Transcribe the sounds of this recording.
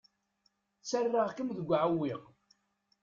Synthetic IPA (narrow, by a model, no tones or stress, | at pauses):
t͡sːərːaʁkəmðəɡʷːʕawːiʁ